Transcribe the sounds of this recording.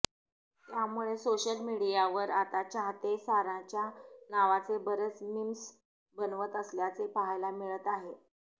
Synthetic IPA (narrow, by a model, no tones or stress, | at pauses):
t̪jamuɭesoɕəlmiɽijaʋəɾat̪at͡ɕaɦt̪esaɾãt͡ɕjanaʋat͡sebəɾət͡snims | bənʋət̪əsljat͡sepaɦajlamiɭət̪aɦe